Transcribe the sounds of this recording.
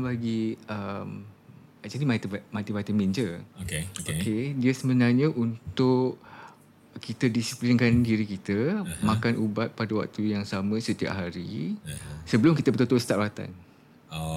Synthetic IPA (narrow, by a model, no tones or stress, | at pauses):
baɡiəm | at͡ʃadimat̪əmãt̪ibat̪əmind͡ʒəokeokediəsəmənarɲə̃ʔunt̪ʊʔ | kit̪ədisiplinkandiɾikit̪əmãkanʔubat̪̚padawa̰k̚t̪ujaŋsamə̃sət̪ia̰p̚ɦaɾi | səbəlʊmkit̪əbət̪ot̪ʊst̪aʔwat̪a̰n